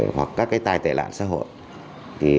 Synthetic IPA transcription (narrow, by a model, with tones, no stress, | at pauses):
hwa˨˩kːaː˦˥k̚ːaː˨˦jt̪aː˧jt̪ḛː˧˨la̰ː˧˨nsa̰ː˧˥ɦo̰˧˨j | t̪ʰi˨˩